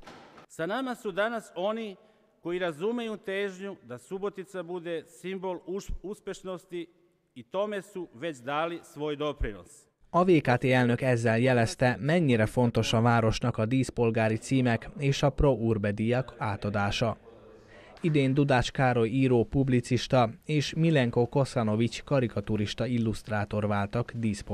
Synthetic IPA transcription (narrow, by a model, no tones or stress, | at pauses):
sanamasud̪anaso̞ni | ko̞iɾazumejuːt̪eːʒɲud̪asubo̞t̪it̪sabud̪esimboluspʲjeʃno̞st̪iː | t̪o̞mesuʋet͡ɕd̪aːlisʋo̞ːjd̪o̞pɾino̰s | ɒveːkaːt̪eːɛlnø̞kɛzːɛljɛlɛst̪ɛmɛɲːiɾɛfo̞nt̪o̞ʃɒvaːɾo̞ʃnɒkɒd̪iːspo̞lɡaːɾit̪siːmɛkeːʃɒpro̞ʔuːrbɛd̪ijɒkaːt̪ɒd̪aːʃɒ | id̪eːnd̪ud̪aːt͡ʃkaːɾo̞jiːɾoːpublit̪siʃt̪ɒeːʃmilɛŋko̞ko̞sɒno̞vit͡ʃkɒɾikɒt̪uɾiʃt̪ɒilːust̪raːt̪o̞rʋaːlt̪ɒɡd̪iːsp